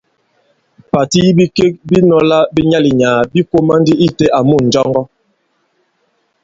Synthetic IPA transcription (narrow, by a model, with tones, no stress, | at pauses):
pa˨ti˦ji˦bi˦ke˦k̚bi˦nɔ˦la˦bi˦ɲa˦li˨ɲaː˨bi˦ko˦ma˦ndi˦ʔi˦te˦a˨mu˦˨n̩˨d͡ʒɔ˦ŋɡɔ˦